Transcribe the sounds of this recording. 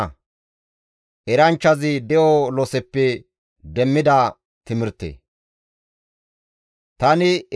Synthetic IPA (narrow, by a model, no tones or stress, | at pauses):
ʔɛɾɐnt͡ʃːɐzɪd̪ɛʔolɔsɛpːɛ | d̪ɛmːɪd̪ɐ | t̪ɪmɪɾt̪ːḛː | t̪ɐnɪ